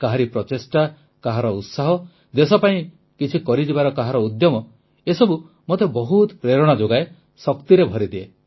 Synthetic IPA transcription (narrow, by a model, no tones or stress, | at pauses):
kaɦaɾipɾɔt̪esʈa | kaɦaɾɔut̪saɦɔ | d̪esɔpaĩ | kit͡ʃʰikɔɾid͡ʒibaɾɔkaɦaɾɔud̪jɔmɔ | esɔbu | mot̪ebɔɦut̪pɾeɾɔɽ̃ad͡ʒoɡae | sɔkt̪iɾebʱɔɾid̪ie